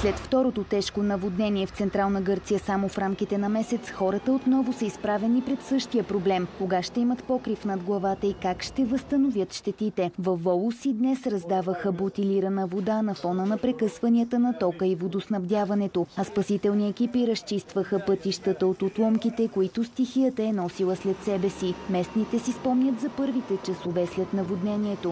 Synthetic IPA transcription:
slɛt̪ft̪ɔɾot̪ot̪ɛʃkonɐvod̪nɛniɛft̪sɛnt̪ɾalˠnəɡɤɾt̪sijəsamofɾamk̟it̪ɛnɐmɛsɛt̪sxɔɾət̪əot̪nɔvosəispɾavɛnipɾɛt̪sɤʃt̪ijəpɾoblɛmkoɡaʃt̪ɛimət̪pɔkɾifnɐd̪ɡlˠɐvat̪əikakʃt̪ɛvəst̪ənovjət̪ʃt̪ɛt̪it̪ɛvɐfːɔlˠʊsid̪nɛsɾɐzd̪avəxəbot̪iliɾənəvod̪anɐfɔnənɐpɾɛkɤsvɐniət̪ənɐt̪ɔkəivod̪osnɐvd̪ʲjavɐnɛt̪oɐspɐsit̪ɛlˠniɛkipiɾəst͡ʃist̪vəxəpɤt̪iʃt̪ət̪əot̪ot̪lˠɔmkit̪ɛkoit̪ost̪ixiət̪əɛnɔsilˠəslɛt̪sɛbɛsimɛsnit̪ɛsispɔmnʲət̪zɐpɤɾvit̪ɛt͡ʃɐsovɛslʲɛt̪nɐvod̪nɛniɛt̪o

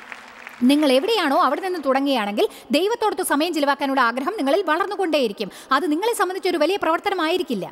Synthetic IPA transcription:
niŋːɐɭe̞ʋiɽejaːɳo̞ːɐʋiɽeninːɨt̪uɽɐŋːiɐjaːɳe̞ŋɡil | d̪ejʋɐt̪ːo̞ːɽɐt̪ːusɐmɐjɐmd͡ʑilɐʋaːkːaːnuɭːɐaːɡɾɐɦɐmniŋːɐɭilʋɐɭɐrnːuko̞ɳɖeːjiɾikʲːum | ɐðɨniŋːɐɭe̞sɐmbɐnd̪it͡ɕːo̞ɾuʋɐlijɐprɐʋɐrt̪ɐnɐmaːjiɾikʲːilːɐ̰

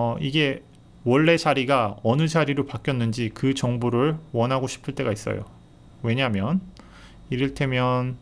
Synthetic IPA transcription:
iɡe̞ | wʌɭːe̞t͡ɕaɾiɡaʌnɯd͡ʑaɾiɾopak͈jʌnːɯnd͡ʑikɯt͡ɕʌŋbuɾɯɭwʌnɦaɡoɕʰi̥pʰɯɭt͈e̞ɡais͈ʌ̰jo̰ | we̞ɲamjʌn | iɾɯɭtʰe̞mjʌn

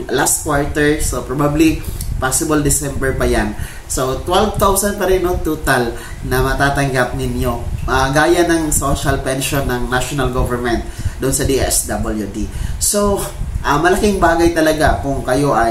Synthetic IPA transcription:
last̪̚kwaɹt̪ɛɹsopɹobablipasɪbɐld̪ɪsɛmbɛɹpɐjan | sot̪wɛlvt̪awsɐn̚pɐɾɛnoŋt̪ut̪al | nɐmɐt̪aːt̪ɐŋɡap̚nɪnjo̞aɡaːjɐnɐŋsoʃɐlpɛnʃonːɐŋnaʃonɐlɡovɛɹmɛnt̪̚d̪ʊʔonsɐd̪iʔɛ̰sd̪abɐljud̪isoʔɐmɐlɐkɪŋbaːɡɐjt̪ɐlɐɡakʊŋkɐjo̞ʔɐj

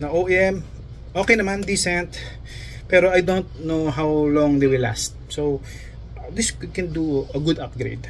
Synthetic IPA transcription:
nɐʔoɛm | ʔoːkɛjnɐmãnd̪isɛnt̪ | pɛɾoʔajd̪ont̪̚noɦawlɔ̃ŋd̪ejwɪla̰st̪̚so | d̪ɪskɛ̃nd̪uɐɡud̪ap̚ɡɾḛd̪̚

